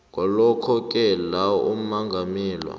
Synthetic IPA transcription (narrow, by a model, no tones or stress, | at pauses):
ŋɔlɔkʰɔk̬ʼɛlawum̩maŋɡʱamiːlwa̰